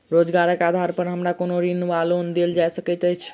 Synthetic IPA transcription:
ɾod͡ʒɡaɾəkad̪ʱaɾpəɾɦəmɾakonoɾinuʋalond̪eld͡ʒajsəkɛt̪əjt͡ʃʰ

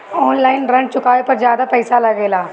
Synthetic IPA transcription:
ɔːnlaːɪnɾɐ̃ɳɖ̚t͡ʃʊkaːʋepɐɾzjaːd̪apɛːɪsalɐɡeːlaː

